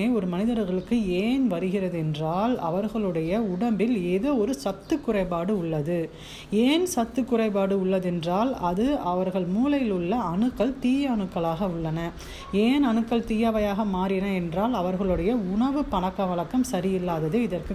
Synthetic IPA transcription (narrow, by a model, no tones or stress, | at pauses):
eːɔɾɯmɐnɪðɐɾɣɐɭɯkːɯeːnʋɐɾɯɣɪrɐðɯɛndraːlɐ̰ʋɐɾɣɐɭɯɽɐjɐʊɽɐmbɪleːðoːɔɾɯsɐt̪ːɯkːʊrɐɪpaːɽɯʊɭːɐðɯ | eːnsɐt̪ːɯkːʊrɐɪpaːɽɯʊɭːɐðɛndraːlɐðɯɐʋɐɾɣɐɭmuːlɐjɪlɯɭːɐɐɳɯkːɐɭt̪iːjɐɐɳɯkːɐɭaːɣɐʊɭːɐnɐ | eːnɐɳɯkːɐɭt̪iːjɐʋɐjaːɣɐmaːɾɪnɐɛndraːlɐʋɐɾɣɐɭɯɽɐjɐʊɳɐʋɯpɐɳɐkːɐʋɐɭɐkːɐmsɐɾɪjɪlːaːðɐðɯɪðɐrkɯ